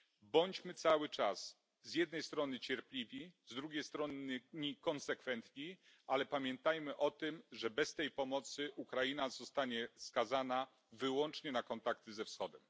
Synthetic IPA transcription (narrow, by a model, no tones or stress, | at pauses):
bɔɲd͡ʑmɘt̪sawɘt͡ʂas | zʲjɛd̪̚nɛjst̪ɾɔnɘt͡ɕɛɾplʲivʲizd̪ɾuɡʲejst̪ɾɔnɲikɔnsɛkfɛnt̪ɲi | ʔalɛpamʲjɛnt̪ajmɘʔɔt̪ɘmʐɛbɛst̪ɛjpɔmɔt̪sɘʔukɾajinazɔst̪aɲɛskazana | vɘwɔnt͡ʂɲɛnakɔnt̪akt̪ɘzɛfsxɔd̪ɛm